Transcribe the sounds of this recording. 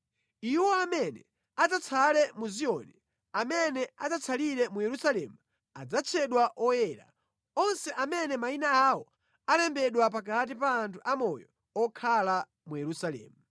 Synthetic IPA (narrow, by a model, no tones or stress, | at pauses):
iwɔamɛnɛ | ad͡zat͡sʰalɛmuziɔnɛ | amɛnɛazat͡sʰaliɾɛmujɛɾusalɛmu | a̰d͡zat͡ʃʰɛɗwaʔɔjɛɾa̰ | ɔnsɛʔamɛnɛmainaawɔ | alɛmbɛɗwap̬akat̬ipaːntʰuʔamɔjɔ | ɔkʰala | mujɛɾusalɛ̰ːmu